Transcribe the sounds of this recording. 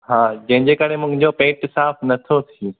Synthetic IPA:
ɦãːd͡ʑɐ̃ɦɪ̃ɲd͡ʑekəɽemʊ̃ɦɪ̃̆d͡ʑopẽːʈsaːpʰnɐt̪ʰot̪ʰiĩ

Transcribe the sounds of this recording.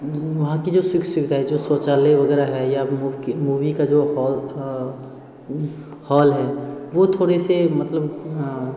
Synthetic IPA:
ʋɐɦãkid͡ʒoːsɪksʊʋɪd̪ʱaːid͡ʒoːsoːt͡ʃaːleʋɐɡɛːɾaɦɛjamuːʋikad͡ʒoːhɔː | hɔːlɦɛːʋot̪ʰoːɽesemɐt̪ləb

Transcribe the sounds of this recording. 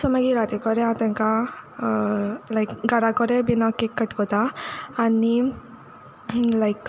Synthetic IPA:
sɔmɐɡiɾaːt̪ikɔɾeat̪ɐŋka | lɐjkɡɐɾakɔɾebinakːikːɐʈkɔt̪aɐnːi | lɐjk

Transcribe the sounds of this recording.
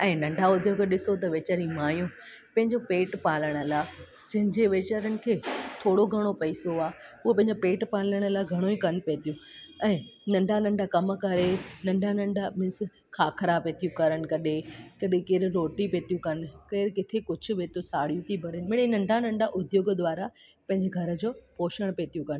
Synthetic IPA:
ɛ̃ːnɐ̃ɳɖʱaʊd̪ʱjokʰeɗɪsot̪ɐʋeːt͡ɕəɾĩmaːjũː | pɐ̃ɦɪ̃ɲd͡ʑopeːʈpaːləɽ̃əlaː | d͡ʑɐ̃ɦɪ̃ɲd͡ʑeʋeːt͡ɕəɾənɪ̆kʰeːt̪ʰoːɽoɡʱɐɽ̃opɐisoaːʊepɐ̃ɦɪ̃ɲd͡ʑopeːʈpaːləɽ̃əlaːɡʱɐɽ̃oĩkɐnpeːt̪ijũɛ̃ːnɐ̃ɳɖʱanɐ̃ɳɖʱakɐmkɐɾenɐ̃ɳɖʱanɐ̃ɳɖʱamɪ̃s | kʰaːkʰɐɾaːpeːt̪ijũkɐɾəɽ̃ɪ̆kɐɗekɐɗekeːɾɾoːʈipeːt̪ijũkɐn̆keːɾkɪt̪ʰekʊd͡ʑʱʊ̆ʋeːt̪õsaːɽijũt̪ʰibʱɐɾənmɪɽnɐ̃ɳɖʱanɐ̃ɳɖʱaʔʊd̪ʱjoːɡd̪ʋaːɾa | pɐ̃ɦɪ̃ɲd͡ʑeɡʱɐɾə̆d͡ʑoːpoːʃəɽ̃peːt̪ijũkɐn

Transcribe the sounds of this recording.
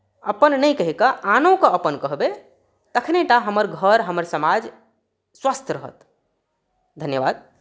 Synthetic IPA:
əpənnəjkəɦikəʔanõkəəpənkəɦbe | t̪əkʰneʈaɦəməɾɡʱəɾɦəməɾsəmad͡ʒ | swast̪ʰɾəɦə̰t̪ | d̪ʱənjəbad̪̚

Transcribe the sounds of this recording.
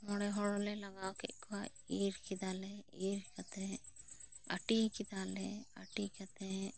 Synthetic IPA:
mɔɽɛɦɔɽɔlɛlɐɡawkɛ̰ʔkwa | iɾkid̪aːlɛiɾɾkat̪ɛ | ɐʈikid̪alɛɐʈikɐt̪ɛ

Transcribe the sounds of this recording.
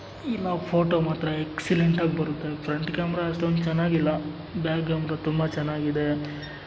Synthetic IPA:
inaːʋpʰoːʈoːmaːt̪ɾɐeksileɳʈaːɡbɐɾut̪ːe̞pʰɾɐɳʈkaːmɐɾaːʂʈond̪ut͡ʃɐnːaːɡilːɐ | baːkɡaːmɾat̪umbɐt͡ʃɛnːaːɡid̪e

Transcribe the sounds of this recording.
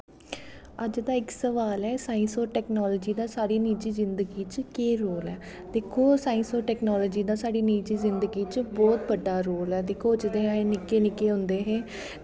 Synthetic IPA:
əd͡ʒd̪aːɪksəʋaːlɛːsaːĩnsoːʈɛːknɔːlɔd͡ʒiːd̪aːsaːɽiːniːt͡ʃiːzɪnd̪əɡiːt͡ʃkeːɾoːlɛː | d̪ɪkʰːoːsaːĩnsoːʈɛːknɔːlɔːd͡ʒiːd̪aːsaːɖiːniːt͡ʃiːzɪnd̪əɡiːt͡ʃbɔːt̪bəɖːaːɾoːlɛːd̪ɪkʰːoːd͡ʒɪd̪eːeːnɪkeːnɪkeːɦʊ̃nd̪eːɦeː

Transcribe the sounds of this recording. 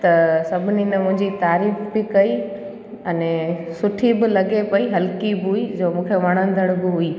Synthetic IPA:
t̪ɐsɐbʱɪninɐmʊ̃ɦɪ̃ɲd͡ʑit̪aːɾiːfbɪkɐi | ɐnẽsʊʈʰibɪlɐɡepɐiɦɐlkibɪɦuid͡ʑoːmũːkʰeʋɐɽ̃ə̃n̆d̪ʱəɽ̃bɪɦʊiː

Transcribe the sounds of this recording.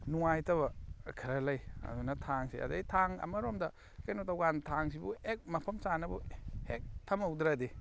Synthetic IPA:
nuŋajtɐβɐkʰɐɾɐlɐjɐ̰dunɐtʰaŋsḭʔa̰dajtʰaŋɐ̰mɐɾomdɐ | kajnotawɡantʰaŋs̬ibuek̚mɐpʰɐmsanɐbuhek̚tʰɐmawdɾadi

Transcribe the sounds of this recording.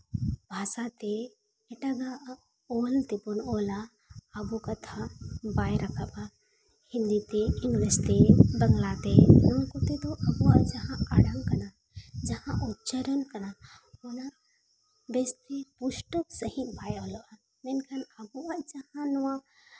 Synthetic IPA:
bʱaːsat̪eː | ʈaɡa | olt̪eponoːlaː | bukɐt̪ʰabaːjɾɐkʰaba | hĩnd̪it̪eiŋɡlest̪ebɐŋɡlat̪enunkot̪et̪oʔɐbuad͡ʒɐɦãaɽaŋkɐna | d͡ʒɐɦãʔutːt͡ʃəɾənkɐna | ona | best̪epuʃʈəksɐɦĩbaːjoːloa | menkʰɐnɐbuad͡ʒɐhãnuwã

